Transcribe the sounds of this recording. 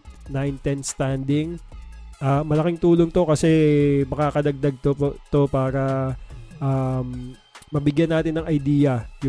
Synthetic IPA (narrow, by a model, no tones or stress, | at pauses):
najnt̪ɛnst̪and̪ɪŋʔamɐlɐkɪŋt̪uːloŋt̪o̞kɐsɛmɐkaːkɐd̪ɐɡ̚d̪ɐɡ̚t̪opot̪o̞paːɾɐ | ʔamː | ɐbɪɡjɐnːaːt̪ɪnːɐŋɐjd̪iːjɐjʊ